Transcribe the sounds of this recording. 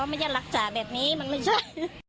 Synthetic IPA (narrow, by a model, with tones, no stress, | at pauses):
ɔ˧˦maː˧˦jt͡ɕaː˧˩la˧˩k̚t͡ɕaː˨bɛː˨˩p̚niː˦˥ma˧˥nɯ˧˩sa˧˥